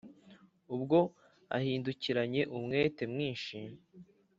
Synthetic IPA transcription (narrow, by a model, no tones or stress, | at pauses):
ubɡo̞ | a̰hiːnduciɾaɲe̞ʔumŋe̞ːte̞mŋiːnʃi